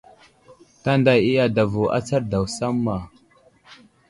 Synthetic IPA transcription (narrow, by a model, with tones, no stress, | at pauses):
ta˦nda˨ji˦ja˨da˨vu˨ʔa̰˦t͡sa˦ɾda˨wsa˦mːa˨